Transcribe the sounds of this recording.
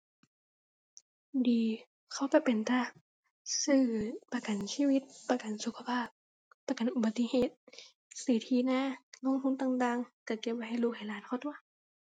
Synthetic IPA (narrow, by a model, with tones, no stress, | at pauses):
diː˨ | kʰa˧˩wpa˧˩pe˨˩nt̪a˧˩ | sɯː˧˩pa˧ka˨nsiː˧˥˨wi˧˥t̪̚pa˧ka˨nsu˧kʰa˧pʰaː˥˩p̚ | pːa˧ka˨nʔu˨˩ba˨˧t̪ːi˧˨heː˧˨˩t̪̚ | siː˨˩˦t̪ʰiː˧˩naː˧˥˨ŋɔ˧˥˨ŋt̪ʰu˧˥˨nt̪aː˧ŋt̪aː˧˨ŋka˧˩ke˧p̚a˧ha˧˥˨jluː˧˩k̚ha˨˩˨laː˨˦nkʰa˧˩t̪u˧˥a˨